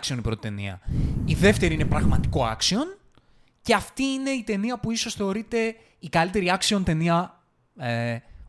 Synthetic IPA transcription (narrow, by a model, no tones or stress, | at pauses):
ksio̞nipɾo̞t̪it̪e̞nḭɐ̰iðe̞ft̪e̞ɾiine̞pɾɐɣmɐt̪i̥ko̞ɐksio̞n | ceɐft̪iine̞it̪e̞niɐpuiso̞sθe̞o̞ɾit̪e̞ | ikɐlit̪e̞ɾiɐksio̞nt̪e̞niɐ